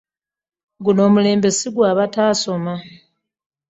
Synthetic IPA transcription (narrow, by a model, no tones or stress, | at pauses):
ɡuno̞ːmule̞ːmbe̞siɡwaːβataːso̞ma